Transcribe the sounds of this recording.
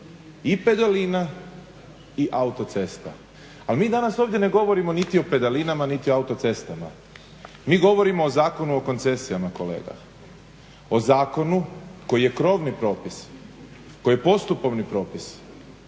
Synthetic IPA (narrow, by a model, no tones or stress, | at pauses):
ipe̞d̪alina | iʔaut̪o̞t̪se̞st̪a̰ | almiːd̪anaso̞ːʋdje̞ne̞ɡo̞ʋo̞ɾimo̞nit̪io̞pe̞d̪alinamanit̪ioaut̪ot̪se̞st̪ama̰ | miːɡo̞ʋo̞ɾimo̞ːzaːko̞nuoko̞nt̪se̞sijamako̞lḛːɡa̰ | o̞zaːko̞nuko̞jije̞kɾo̞ːʋnipɾo̞ːpis | ko̞jepo̞st̪upo̞ʋnipɾo̞ːpis